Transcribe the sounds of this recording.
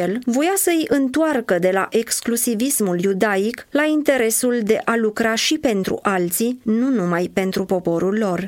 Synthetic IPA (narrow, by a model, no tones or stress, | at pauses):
elvo̞jasəɨjʔɨnt̪oarkəd̪e̞la̰ʔe̞ksklusivismuljud̪aiklaint̪e̞ɾe̞suld̪e̞ʔalukɾaʃipe̞nt̪ɾṵʔalt̪sinunumajpe̞nt̪ɾupo̞po̞ɾulːo̞r